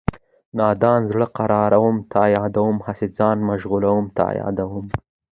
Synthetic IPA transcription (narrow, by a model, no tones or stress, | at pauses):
nɑːd̪ɑːnzɽəqaɾɑːɾawumt̪ʰɑjɑːd̪awumhased͡zɑnmaʒɣulawumt̪ɑ̰jɑ̰d̪awum